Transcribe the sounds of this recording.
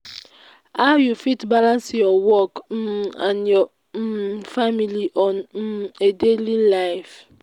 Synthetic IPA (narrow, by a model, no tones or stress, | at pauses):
ajufitbalãnsjɔwɔkn̩ãnjɔ | familiʔɔn̩edelilaɪf